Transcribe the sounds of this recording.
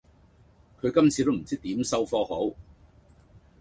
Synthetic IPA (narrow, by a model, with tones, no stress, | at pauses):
kʰɵ˨˧ɥkɐ˥mt͡sʰiː˨˧t̪o˥wm̩˨˩t͡siː˥k̚t̪iː˨˥msɐ˥wfɔː˧ɦo˨˥w